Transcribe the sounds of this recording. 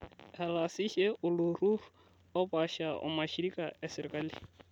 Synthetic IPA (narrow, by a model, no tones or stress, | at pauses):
hɛlasiʃɛʔʊlʊrurʊ | ɔpaʃaʔʊ̰maʃiɾikʼaɛsɪɾɪkʼali